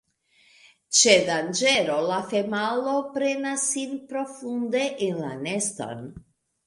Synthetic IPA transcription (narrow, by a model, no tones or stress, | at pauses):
t͡ʃed̪and͡ʒeɾolafemalopɾenasinpɾo̞fund̪eʔenlanest̪o̰n